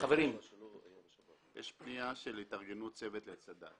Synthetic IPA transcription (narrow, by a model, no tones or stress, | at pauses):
aveʁim | jʔeʃpniaʃelit̪aʁɡenut͡sevet̪let͡sad̪a̰